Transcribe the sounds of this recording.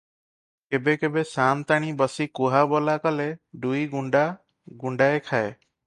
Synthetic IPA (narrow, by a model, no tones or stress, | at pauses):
kebekebesant̪aɽ̃ibəsikuɦabɔlakɔleɖujɡuɳɖa | ɡuɳɖaekʰae